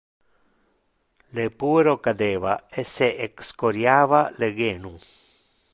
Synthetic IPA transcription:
lepueɾokad̪eːvaeseʔekskoɾjaːvaleɡeːnu

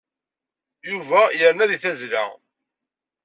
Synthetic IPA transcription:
juvæjəɾnæðiθæzlæ̰

